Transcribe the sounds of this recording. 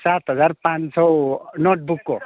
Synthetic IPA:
sat̪ɦʌd͡zarpãnsɔnoʈ̚bukːo

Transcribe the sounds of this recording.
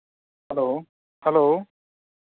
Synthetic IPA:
hɛlo | hɛlo

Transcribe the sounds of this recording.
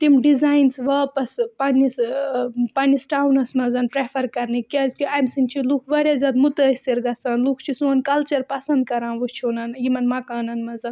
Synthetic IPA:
t̪imɖizaːjnsʋaːpɐspɐnis | pɐnisʈaːwnɐsmɐzɐnpɾefʰɐɾkɐɾnikʲɐzk̪iɐjmsint͡ʃʰilukʰʋɐɾʲjaːzʲaːd̪mut̪əːsiɾɡɐsaːnlukʰt͡ʃʰisũɐnkɐlt͡ʃɐɾpɐsɐ̃nd̪̚kɐɾãːnʋut͡ʃʰoːnɐnjimɐnmɐkaːnɐnmɐzɐn

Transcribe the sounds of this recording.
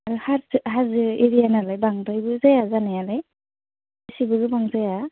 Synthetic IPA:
aɾɯhaɾzhazɯiɾijanalajbaŋdajbɯzajazanajalaj | ɯsibɯɡɯbaŋzaja

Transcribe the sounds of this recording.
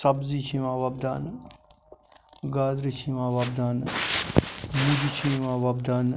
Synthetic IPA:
sɐbzit͡ʃʰĩʋãːʋɐbd̪aːn | ɡaːd̪ɾit͡ʃʰĩːʋãːʋɐbd̪aːn | mud͡ʒit͡ʃʰĩʋãːʋɐbd̪aːn

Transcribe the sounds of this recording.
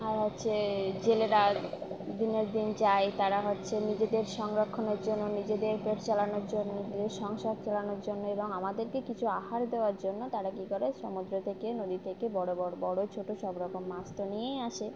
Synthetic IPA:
aɾɦotːɕʰed͡ʑeleɾad̪ineɾd̪int͡ɕaet̪aɾaɦotːɕʰenid͡ʑed̪eɾʃɔŋɾokʰːoneɾd͡ʑonːonid͡ʑed̪eɾpeʈʰt͡ɕalanoɾd͡ʑonːonid͡ʑed̪eɾʃɔŋʃad̪̚t͡ɕalanoɾd͡ʑonːoeboŋamad̪eɾkekit͡ɕʰuaɦaɾd̪eoaɾd͡ʑonːot̪aɾakikoɾeʃɔmud̪ɾot̪ʰekenod̪it̪ʰekebɔɽobɔbɔɽot͡ɕʰoʈoʃɔbɾɔkomːast̪onijejaʃe

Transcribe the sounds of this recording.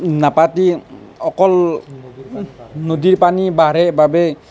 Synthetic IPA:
napatiɔkɔl | nodiɹpanibaɹɛbabɛ

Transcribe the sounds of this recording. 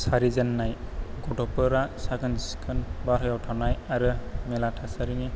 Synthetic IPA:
saɾizanːajɡɔʈɔpɯɾasaɡɯnziskʰɯnbaɾɯjawtʰanajaɾɯmɛlatʰasaɾini

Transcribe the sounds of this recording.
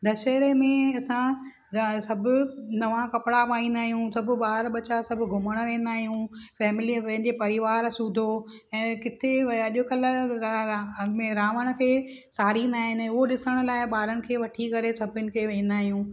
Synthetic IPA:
d̪ʱɐʃɛɦɾemẽɐsã | sɐbʱʊ̆nɐʋãkɐpɪɽapaːĩnd̪aːɦijũsɐbʱʊ̆ɓaːɾɓɐt͡ɕasɐbʱʊɡʱʊməɽ̃̆ʋẽːn̆d̪aːɦijũfɛːmɪlipɐ̃ɦɪ̃ɲd͡ʑepɐɾɪʋaːɾsuːd̪ʱo | ɛ̃ːkɪt̪ʰeɐɐʄʊkɐl̆ | mẽɾãːʋəɽ̃ə̆kʰeː | saːɾind̪aːɦɪnʊɦoɗɪsəɽ̃ʊ̆laːɪɓaːɾənɪ̆kʰeːʋɐʈʰikɐɾesɐbʱɪnɪ̆kʰeːʋẽːn̆d̪aːɦijũː

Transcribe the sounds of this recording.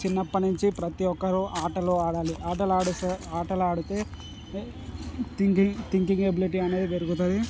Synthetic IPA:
t͡ʃinːɐpːɐnuɲt͡ʃipɾɐt̪iɔkːɐɾuʔaːʈɐloːaːɽaːliʔaːʈɐlaːɽusaːʈɐlaːɽut̪e̞ː | t̪iŋkit̪iŋkiŋɡebiliʈiːɐnːe̞ːd̪id̪eɾuɡut̪ɐd̪i

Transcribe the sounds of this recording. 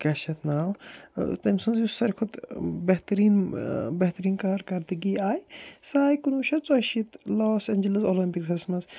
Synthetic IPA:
kɐʃɐt̪ʰnaːwt̪ɐmʲsunzjusːɐɾʲkʰʊd̪bɐɦt̪ɐɾiːnbɐɦt̪ɐɾiːnkaːɾkɐɾd̪iɡiaːjsaːjkunuːʃɐt͡sɐʃit̪loːsenʲd͡ʒɐlɐsoːlɐmpiksɐsmɐs

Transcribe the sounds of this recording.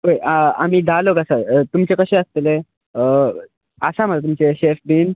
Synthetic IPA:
ɦojaa̰miːd̪aloɡəsat̪umt͡ɕekəɕẽəst̪ele | ə | əsam̤əlt̪umt͡ɕeɕefbiːn

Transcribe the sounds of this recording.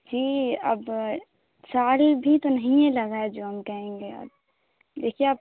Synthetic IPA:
d͡ʒiːɐ̰b | saːlbʱit̪onɐɦĩɦẽlɐɡaed͡ʒoːɦɐmkɐɦẽːŋɡeɐ̰ɾ | leːkʰeaːp̚

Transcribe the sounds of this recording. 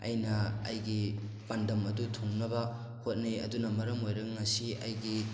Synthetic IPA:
ɐ̰jnɐɐ̰jɡi | pandɐmɐdutʰuŋnɐbɐ | hot̚neɐ̰dunɐmɐɾɐmojɾɐkŋɐsiɐjɡi

